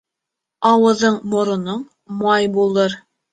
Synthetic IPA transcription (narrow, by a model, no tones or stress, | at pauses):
ɑwɤ̆ðɤɴmŏɾŏnɤɴ | mɑjbulˠɤɾ